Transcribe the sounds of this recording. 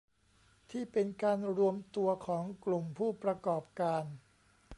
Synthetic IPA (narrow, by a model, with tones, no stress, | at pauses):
t̪ʰiː˥˩pe˧nkaː˧nɾu˧əmt̪u˧ɐkʰɔː˩˦ŋklu˨˩mpʰuː˥˩pɾa˧kɔː˨˩p̚kaː˧n